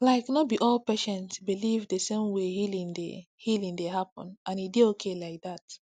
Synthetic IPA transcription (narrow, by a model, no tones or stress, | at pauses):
laɪknɔt̚biʔɔlpɛʃɛ̃ntbilivdəsẽmwehilĩŋdḛ | hilĩŋdeɦapɔ̰̃nãnidiokʰelaɪk̚ðat